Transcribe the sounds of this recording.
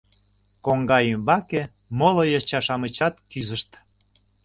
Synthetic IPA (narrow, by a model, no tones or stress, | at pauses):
koŋɡɑjymbɑke | molojɑt͡ɕɑʃɑmət͡ɕɑt̪kyzəʃt̪